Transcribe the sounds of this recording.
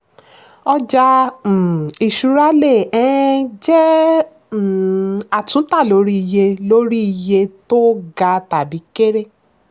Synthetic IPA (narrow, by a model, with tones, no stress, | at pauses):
ɔ˧d͡ʒã˧˨ | i˨ʃu˧ɾa˦le˦˨ɛ̃˨˦d͡ʒɛ˦˨ | a˨tũ˨˦ta˦˨lo˨˧˦ɾi˦i˧je˧lo˦ɾi˦i˧je˧to˦ɡa˧ta˨bi˨˦ke˦ɾe˦˨